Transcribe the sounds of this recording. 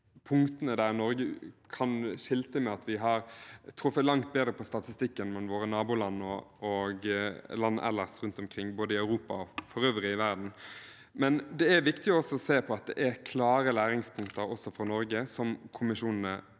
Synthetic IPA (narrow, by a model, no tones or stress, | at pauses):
pʰʊŋkt̪ənəd̪æɾnɔɾɡəkʰɑnʂɪlt̪əmɛɑt̪ʋɪɦɑɾt̪ʰɾʊfət̪lɑŋt̪̚beːd̪ɾəpʰɔst̪ɑt̪ɪst̪ɪkːənmɛnʋoːɾənɑːbʊlɑnːɔɔɡlɑn̰ːʔɛ̰lːəʁsɾʉnt̪ɔmkʰʁɪŋːboːd̪əɪœʉɾuːpɑɔfɔɾøːʋɾəɪʋæɾd̪n̩ | mɛnd̪ɛæɾʋɪkt̪ɪɔɔsːɔɔseːpʰɔɑt̪̚d̪ɛ̰ʔæɾkʰlɑːɾəlæːɾɪŋspʰʊŋkt̪əɾɔsːɔfɔnɔɾɡəsɔmkʰʊmɪʂuːnnə